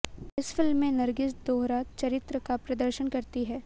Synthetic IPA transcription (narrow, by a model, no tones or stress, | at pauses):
ɪsfɪlmːẽnɐɾɡɪsd̪oːɦɾaːt̪t͡ʃɐɾɪt̪ɾəkapɾɐd̪əɾʃənkɐɾt̪iɦɛː